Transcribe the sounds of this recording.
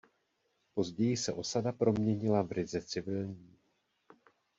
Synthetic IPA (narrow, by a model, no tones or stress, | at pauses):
po̞zɟɛjɪsɛʔo̞sadapɾo̞mɲɛɲɪlavrɪzɛt͡sɪvɪlɲiiː